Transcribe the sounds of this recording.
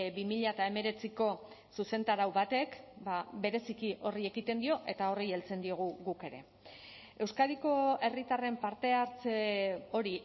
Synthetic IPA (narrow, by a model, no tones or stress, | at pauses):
bimiʎaet̪ae̞me̞ɾe̞t͡siko̞ | suse̞nt̪aɾawβat̪e̞kbaβe̞ɾe̞sikiʔo̞rie̞ɣit̪e̞nd̪io̞ʔe̞t̪ao̞rie̞lt͡se̞nd̪io̞ɣ̞uɣuke̞ɾe̞̰ | e̞wskaðiko̞e̞rit̪are̞mpaɾt̪e̞aɾt͡seo̞ɾi